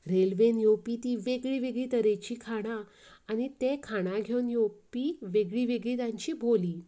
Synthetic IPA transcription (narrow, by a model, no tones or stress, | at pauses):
ɾelʋenjopit̪iːʋeɡɭiːʋeɡɭiːt̪əɾet͡ɕiːkʰaɽ̃aː | ñit̪ekʰaɽ̃aɡʱewnjopiːʋeɡɭiːʋeɡɭiːt̪jãɲt͡ɕiːbʱoliː